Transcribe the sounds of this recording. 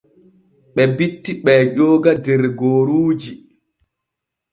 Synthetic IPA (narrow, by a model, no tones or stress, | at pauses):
ɓɛbitːiɓɛʄɔːɡadɛɾɡoːɾuːd͡ʒi